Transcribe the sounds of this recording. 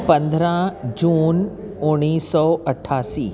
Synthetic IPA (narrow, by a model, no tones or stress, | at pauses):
pɐ̃nd̪ʱɾãd͡ʑuːn | ʊɽ̃iːsɔːɐʈʰːaːsḭː